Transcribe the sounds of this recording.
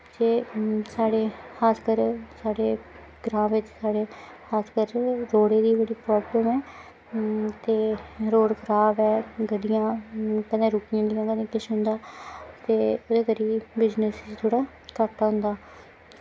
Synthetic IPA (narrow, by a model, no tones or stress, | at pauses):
d͡ʒeːsaːɽeːxʰaːskəɾsaːɽeː | ɡɾãːʋɪt͡ʃsaːɽeː | kʰaːskəɾɾoːɽeːd̪iːbəɽiːpɾɔːbləmɛː | t̪eːɾoːɽkʰəɾaːbɛːɡəɖɪjãːkəd̪ẽːɾʊkɪjãːɖɪjãːkəd̪ẽkɪʃɦʊ̃nd̪aːt̪eːod̪eːkəɾiːbɪd͡ʒnəsd͡ʒt̪ʰoːɽaː | kaʈːaːɦʊ̃nd̪aː